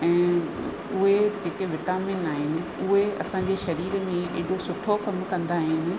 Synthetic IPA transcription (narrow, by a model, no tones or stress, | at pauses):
ɛ̃ː | ʊɦed͡ʑeːkeʋɪʈaːmɪnaːɦɪnɪ̆ʊɦeɐ̰sãɲd͡ʑeːʃɐɾiːɾmẽḛɦɗosʊʈʰokɐmkɐ̃nd̪aːɦɪnɪ̆